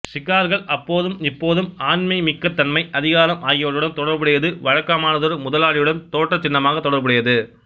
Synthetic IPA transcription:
sɪɣaːɾɣɐɭɐpːoːðɯmɪpːoːðɯmaːnmɐɪmɪkːɐt̪ːɐnmɐɪʔɐðɪɣaːlɐmʔaːjɐʋɐɾɯɽɐnt̪ɔɽɐɾbɐɽɐjɐðɯʋɐɻɐkːaːmaːnɐðɔɾmʊðɐlaːɻɪjɯɽɐnt̪oːʈːɐt͡ʃːɪnːɐmaːɣɐt̪ːɔɽɐɾbɐɽɪjɐðɯ

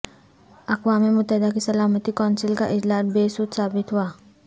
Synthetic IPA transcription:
ɐkwaːmimʊt̪ːəɦɪd̪akesɐlaːmət̪ikaːnsɪlkaʔɪd͡ʒlaːt̪̚beːsut̪saːbɪt̪ɦuaː

